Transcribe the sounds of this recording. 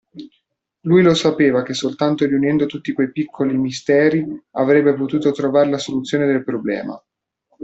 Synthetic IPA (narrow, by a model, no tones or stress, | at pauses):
lujlosapeːvak̟esːolt̪ant̪oɾiunɛnd̪ot̪ut̪ːikwejpikʰːolimist̪ɛːɾiavɾɛbːepot̪uːt̪ot̪ɾovaːɾelasolut̪sːjoːned̪elpɾoblɛ̰ːma̰